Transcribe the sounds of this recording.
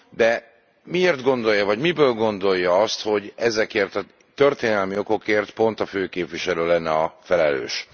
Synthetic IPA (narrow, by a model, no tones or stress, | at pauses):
d̪ɛ | mieːrt̪ɡo̞nd̪o̞jːɒvɒɟmibøːlɡo̞nd̪o̞jːɒɒst̪ho̞ɟɛzɛkeːrt̪ɒ | t̪ø̞rt̪eːnɛlmio̞ko̞keːrt̪po̞nt̪ɒføːkeːpvʋiʃɛløːlɛnːɛɒfɛlɛlø̰ːʃ